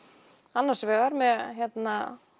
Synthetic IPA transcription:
anːḁsvɛːɣaɾmɛðçjɛt̪na

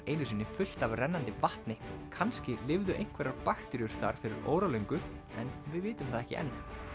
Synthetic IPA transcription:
ejnʏsiːnːɪfʏl̥t̪avrɛnːant̪ɪvaht̪nɪkʰanscɪlɪvðʏʔejŋ̥kʰvɛɾaɾpaxt̪ɛɾjʏɾ̥θa̰ɾ̥fɪɾɪɾo̰ːwɾalejŋkʏɛ̰nvɪðvɪːt̪ʏmθaðɛhcɪ̰ʔɛ̰nː

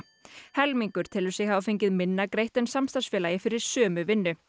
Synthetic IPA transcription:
hɛlmiŋkʏɾ̥t̪ʰɪlʏɾsɛɣhavafejɲcɪðmɪnːakɾejht̪ɛnsamst̪ansfɛːlajɪfɪɾɪɾ̥sœːmʏvɪnːʏ

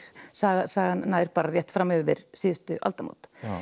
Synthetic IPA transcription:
saːɣasaːɣannːaːjɾ̥paːɾarjɛht̪fɾamːʏvɪ̰ɾ̥siːðʏst̪ʏʔa̰lt̪ama̰wt̪

